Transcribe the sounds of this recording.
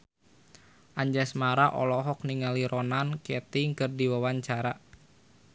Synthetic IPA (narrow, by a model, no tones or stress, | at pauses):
ʔaɲd͡ʒasmaɾaʔɔ̰lɔɦɔk̚niŋaliɾɔnankɛt̪iŋkərdiwawaɲt͡ʃaɾa